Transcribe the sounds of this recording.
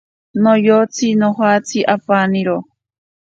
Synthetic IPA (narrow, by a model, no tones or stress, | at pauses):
nojot͡sʰinoɦat͡sʰiʔapaniɾo